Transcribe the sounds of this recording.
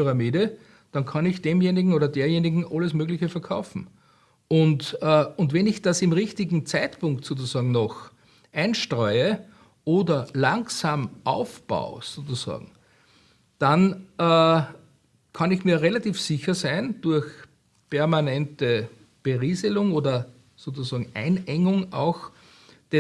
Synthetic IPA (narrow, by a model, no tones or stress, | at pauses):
yʁamiːdə | d̥ɑ̃nkʰɑnɪçd̥eːmjeːnɪɡŋ̩oːdɐdeːɐjeːnɪɡŋ̩ʔaləsmøːɡlɪçəfɛɐkʰaʊfm̩ | ʊntːʊntvɛnɪçd̥asɪmʁɪçtɪɡŋ̩t͡sæɪtpʊ̃ŋktsoːt͡susɑːɡŋ̩nɔx | ʔæɪnʃtʁɔʏə | ʔoːdɐlaŋsaːmʔaʊfb̥a̰ʊsoːt͡susɑ̰ːɡŋ̩ | d̥anː | kʰanɪçmiːɐʁelatiːfsɪçɐsæɪnd̥ʊɐç | pʰɛɐmanɛntə | b̥eʁiːzəlʊŋoːdɐ | soːt͡susɑːɡŋ̩ʔæ̰ɪnɛŋʊŋʔa̰ʊx | d̥ɛ